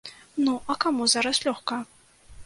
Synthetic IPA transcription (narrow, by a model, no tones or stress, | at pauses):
nuʔɐkamuzaɾɐslʲɔxkɐ